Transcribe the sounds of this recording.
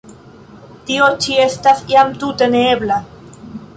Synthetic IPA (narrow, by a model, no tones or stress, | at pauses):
tiot͡ʃie̞stasiamt̪ute̞neebla